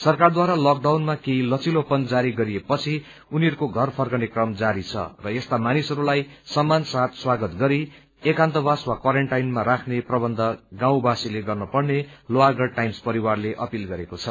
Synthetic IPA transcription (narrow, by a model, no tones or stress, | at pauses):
sʌrkard̪waɾalʌk̚ɖawnmakejlʌt͡silopʌnd͡zaɾiɡʌɾiepʌt͡sʰi | uniʌɾukoɡʱʌrpʰʌrkʌnekrʌmd͡zaɾit͡sʰʌ̰rʌest̪amanisʌɾulajsʌmːansat̪swaɡʌt̪ɡʌɾi | ekant̪ʌbaswakwaɾeɳʈajnmaɾakʰneprʌbʌnd̪ʱʌɡãw̃basileɡʌrnʌpʌrneloaɡʌrʈajmspʌɾiwarleʔʌpilɡʌɾekot͡sʰʌ